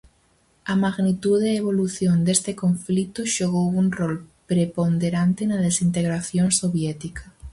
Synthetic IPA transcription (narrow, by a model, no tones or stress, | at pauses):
ɐmaɣnit̪uðeeβ̞oluθjond̪est̪ekoɱflit̪ʊʃoɣ̞owuŋrɔlpɾepond̪eɾant̪enɐðesint̪eɣɾaθjoŋsoβjɛt̪ikɐ